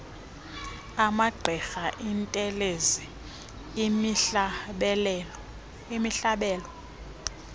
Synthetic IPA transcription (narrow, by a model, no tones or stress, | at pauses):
amaɡ͡ǃʱɛxaʔintʼɛlezi | ɓɛl | imiɬaɓɛːlɔ